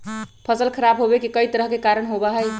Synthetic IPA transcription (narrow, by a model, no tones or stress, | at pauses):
pʰəsəlkʰəɾabɦobekikəit̪əɾəɦkekaɾəɳɦobaɦəj